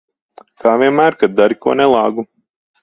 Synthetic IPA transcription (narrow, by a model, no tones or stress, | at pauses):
kaːvʲiɛnmæːɾkad̪̚d̪aɾikuɔnɛlˠɑːɡu